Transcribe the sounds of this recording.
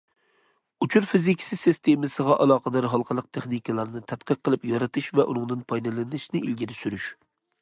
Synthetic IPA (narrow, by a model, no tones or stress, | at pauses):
ut͡ʃʰuɾfizikʲʰi̥sɨsist̪ʰemɪsəʁɑʔɑlˠɑːqəd̪ɑɾɦɑlˠqʰəlˠəq̚t̪ʰeχnikʲɨlˠɑɾnɨt̪ʰæt̪qəqʰːəlˠɨpjɑɾɨt̪ʰɨʃvɛʔunɨŋd̪ɨnpʰɑjd̪ɨlˠɨnɪʃnɪilɡʲiɾɪsyɾyʃ